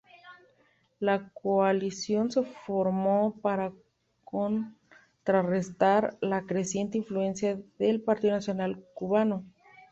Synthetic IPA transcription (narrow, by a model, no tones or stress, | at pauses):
lakoalisjo̞nse̞foɾmopaɾa | kon | t̪ɾare̞st̪aɾlakɾe̞sje̞nt̪eiɱflue̞nsjaðe̞lpaɾt̪iðonasjo̞nalkuβano̞